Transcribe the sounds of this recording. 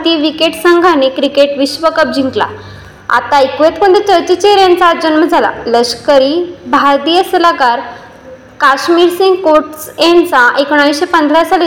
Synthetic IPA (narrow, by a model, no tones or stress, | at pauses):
t̪iʋikeʈsəŋɡʱañekɾikeʈʋiɕʋəkəp̚d͡ʑʱĩŋkla̰ | a̰t̪aekʋet̪mənd̪ʱet͡ɕəɾt͡ɕit͡ɕeɾjant͡saːd͡ʑənməd͡zʱala̰ləɕkəɾiːbʱaɾt̪ijəsəlakaɾ | kaɕmiɾsiŋɡkoɾʈsjant͡saʔekoɽ̃aisɕepənd̪ʱɾasal